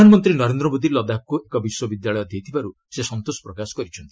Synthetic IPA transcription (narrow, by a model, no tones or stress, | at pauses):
anmɔnt̪ɾinɔɾend̪ɾɔmod̪ilɔd̪ap̚kuekɔbiswɔbid̪jaɭɔjɔd̪ʱjejt̪ʰibaɾu | sesɔnt̪osɔ̥pɾɔkasɔ̥kɔɾit͡ʃʰɔnt̪ii